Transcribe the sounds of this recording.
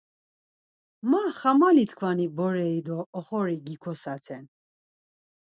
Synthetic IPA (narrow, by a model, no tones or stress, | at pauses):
maχamalit̪ʰkʰvanibɔɾɛid̪ɔːχɔɾiɡikʰɔsat͡s̪ʰɛn